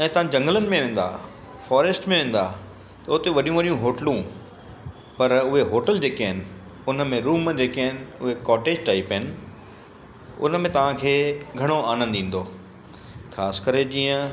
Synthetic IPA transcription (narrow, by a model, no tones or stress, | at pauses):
ɛ̃ːt̪ɐʋ̤ãd͡ʑɐ̃ŋɡələnɪ̆mẽʋẽːn̆d̪a̰ː | fɔːɾesʈmẽʋẽːn̆d̪a | t̪ɐʊt̪eʋɐɗijũʋɐɗijũɦoːʈlũ | pɐɾʊɦeɦoːʈəld͡ʑeːkːɦɪnɪ̆ | ʊnəmẽɾuːmd͡ʑeːkaɦɪnɪ̆ʊɦekɔːʈeːd͡ʑʈaːɪpɦɪnɪ̆ | ʊ̰nəmẽt̪ɐʋ̤ãkʰeːɡʱɐɽ̃oaːnə̃nd̪ĩːn̆d̪oː | xʰaːskəɾed͡ʑiːə̃